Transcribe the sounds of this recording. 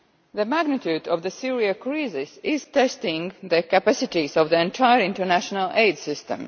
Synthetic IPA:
ðəmæɡnɪt̪juːdɔvðəsiɹiakɹizɪsɪz̥tɛstɪ̃ŋðəkapasɪtizɔvðiɛ̃ntʰajəɹɪ̃ntə˞næʃɔnaleɪdsɪstə̰̃m

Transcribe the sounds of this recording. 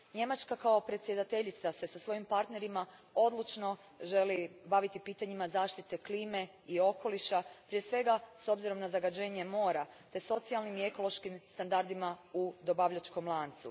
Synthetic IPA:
ɲe̞mat͡ʃkakao̞pɾet̪sʲje̞d̪at̪e̞ʎit̪sase̞sasʋo̞jimpaɾt̪ne̞ɾimao̞d̪lˠut͡ʃno̞ | ʒe̞libaʋit̪ipiːt̪aɲimazaːʃt̪it̪e̞kliːme̞ | io̞ko̞liʃapɾije̞sʋe̞ɡaso̞bziɾo̞mnazaɡad͡ʑe̞ːɲe̞mo̞ːɾat̪e̞so̞t̪sialˠnimie̞ko̞lo̞ʃkimst̪and̪aɾd̪imaud̪o̞baʋʎat͡ʃko̞mlˠaːnt̪sṵ

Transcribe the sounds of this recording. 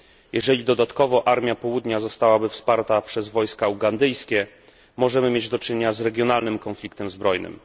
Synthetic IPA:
jɛʐɛlʲid̪ɔd̪at̪kɔvɔʔaɾmʲjapɔwud̪ɲazɔst̪awabɘfspaɾt̪apʂɛzvɔjskauɡand̪ɘjskʲɛ | mɔʐɛmɘmʲjed͡ʑd̪ɔt͡ʂɘɲeɲazɾɛɡʲjɔnalnɘmkɔnflʲikt̪ɛmzbɾɔjnɘ̰m

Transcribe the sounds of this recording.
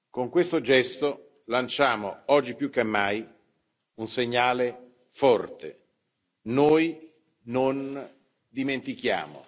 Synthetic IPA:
koŋkwest̪od͡ʒɛst̪o | lant͡ʃaːmoɔd͡ʒːipjukːemːaj | unseɲːaːle | fɔrt̪ḛ | noːj | non | d̪iment̪ik̟ja̰ːmo̰

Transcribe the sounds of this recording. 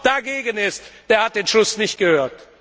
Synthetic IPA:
d̥aɡeːɡənɪstd̥eːɐhat̚d̥eːnʃʊsnɪçtɡ̥əhøːɐt

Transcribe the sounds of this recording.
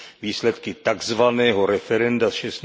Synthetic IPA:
viːslɛt̪kɪt̪aɡzvanɛːɦoɾɛfɛɾɛndasʃɛst̪

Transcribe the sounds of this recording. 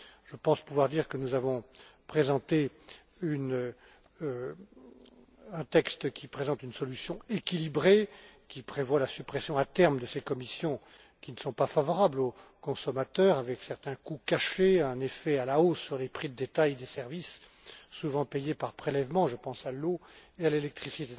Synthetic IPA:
ʒəpɑ̃spuvwaʁd̪iʁkənuzavɔ̃pχezɑ̃t̪e | yn | ɛ̃t̪ɛkst̪kʲipχezɑ̃t̪ynsɔlysjɔ̃ekʲilibʁekʲipχevwalasypχesjɔ̃at̪ɛʁmd̪əsekɔmisjɔ̃ | kʲinəsɔ̃pafavɔʁablokɔ̃sɔmat̪œːʁavɛksɛʁt̪ɛ̃kukaʃeɛ̃nefɛalaosːyʁlepχid̪əd̪et̪ajd̪esɛʁvisː | uvɑ̃pɛjepaʁpχelɛvmɑ̃ʒəpɑ̃saloealelɛk̚t̪χisit̪e

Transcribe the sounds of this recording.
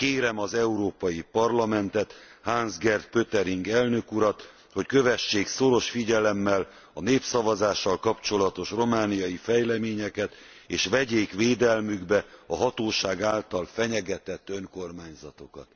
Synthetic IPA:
keːɾɛmɒzɛuɾoːpɒjipɒrlɒmɛnt̪ɛt̪haːnzɡɛrt̪̚pøt̪ɛɾiŋɡɛlnø̞kuɾɒt̪ | ho̞ckø̞vɛʃːeːkso̞ɾo̞ʃfiɟɛlɛmːɛl | ɒneːpsɒvɒzaːʃːɒlkɒpt͡ʃo̞lɒt̪o̞ʃro̞maːnijɒjifɛjlɛmeːɲɛkɛt̪ | eːʃʋɛɟeːkʋeːd̪ɛlmyɡbɛɒɦɒt̪oːʃaːɡaːlt̪ɒlfɛɲɛɡɛt̪ɛt̪ːøŋko̞rmaːɲzɒt̪o̞kɒ̰t̪

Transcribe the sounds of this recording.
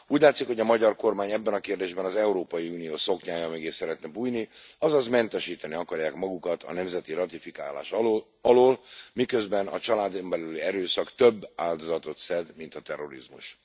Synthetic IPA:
uːɟlaːt̪sikho̞ɟɒmɒɟɒrko̞rmaːɲɛbːɛnɒkeːrd̪eːʒbɛnɒzɛuɾoːpɒjiuːnijoːso̞kɲaːjɒmeɡeːsːɛɾɛt̪nɛbuːjniɒzɒzmɛnt̪ɛʃiːt̪ɛniɒkɒrjaːkmɒɡukɒt̪ʰɒ̰nɛmzɛt̪iɾɒt̪ifika̰ːla̰ːʃ | ɒloːlmikø̞zbɛnɒ̰t͡ʃɒlaːd̪ombɛlyliɛɾøːsɒkt̪øbːaːld̪o̞zɒt̪o̞t̪sɛd̪mint̪ɒt̪ɛrːo̞̰ɾḭzmṵʃ

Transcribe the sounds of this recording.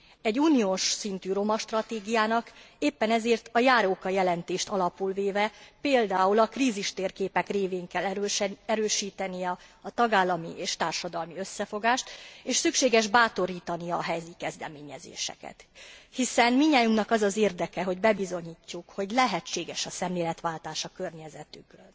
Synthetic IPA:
ɛɟːuːnijoːʃsint̪yːɾo̞mɒʃt̪rɒt̪eːɡijaːnɒk | eːpːɛnɛzeːrt̪ɒjaːɾoːkɒjɛlɛnt̪eːʃt̪ɒlɒpulveːvɛpeːld̪aːulɒkriːziʃt̪eːrkeːpɛkreːveːŋkɛlːɛɾøːʃiːt̪ɛnijɛɒt̪ɒɡaːlːɒmiʔeːʃt̪aːrʃɒd̪ɒlmiøsːɛfo̞ɡaːʃt̪eːʃsykʃeːɡɛʒbaːt̪o̞ɾiːt̪ɒnijɒːɦɛjziːkɛzd̪ɛmeːɲɛzḛːʃɛ̰kɛ̰t̪hisɛnmiɲːaːjuŋknɒkɒzɒzeːrd̪ɛkɛɦo̞ɟbɛbizo̞ɲiːcːukho̞ɟlɛɦɛt͡ʃːeːɡɛʃɒsɛmleːlɛt̪ʋaːlt̪aːʃɒkørɲɛzɛt̪yk̪

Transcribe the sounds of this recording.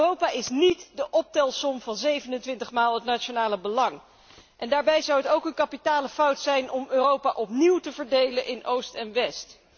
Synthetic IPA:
rowpaːʔɪsnitdəʔɔp̚tɛlˠsɔmvɑnzejvənəntʋɪntəχmaːlˠətnat͡ʃonaːləbəlɑŋ | ʔɛndaːɹbɛjzʌwətowkənkɑpitaːləfɑwtsɛjnɔmøːrowpaʔɔpniwtəvəɹdejləʔɪnowstɛnʋɛst

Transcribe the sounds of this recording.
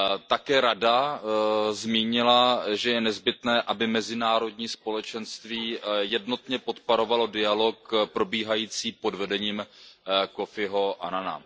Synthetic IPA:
t̪akɛːɾada | zmiːɲɪlaʒɛjɛnɛzbɪt̪nɛːʔabɪmɛzɪnaːɾo̞dɲiːspo̞lɛt͡ʃɛnst̪viːjɛdno̞t̪ɲɛpo̞t̪poɾo̞valo̞dɪalo̞kpɾo̞biːɦajiːt͡siːpo̞dvɛdɛɲiːm | ko̞fɪɦo̞ʔa̰nana̰

